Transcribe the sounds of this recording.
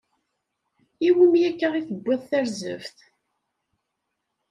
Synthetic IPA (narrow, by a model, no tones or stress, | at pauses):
iwəmjækːəʁiθəbʷːæðθæɾzə̰vθ